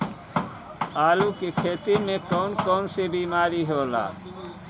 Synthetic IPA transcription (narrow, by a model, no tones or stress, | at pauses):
aːlukekʰeːt̪iɾmẽkəʊnkəʊnsebiːmaːɾiɦoːla̰ː